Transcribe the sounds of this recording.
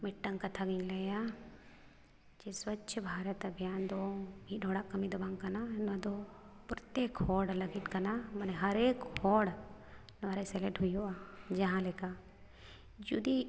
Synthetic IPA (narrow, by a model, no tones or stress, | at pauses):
mɪʈːəŋkat̪ʰaɡinlɐja | d͡ʒeswɐt̪ːʃʰəbʱaːɾət̪əbʱjaːnd̪obiɖʱoːɽakɐmid̪obaŋɡkananɐd̪o | pɾət̪eːkhɔːɽlɐɡiʈkɐnamɐneɦɐɾeːkhɔːɽ | nʋaɾeseleʈɦujoad͡ʒɐɦãleka | d͡ʒud̪i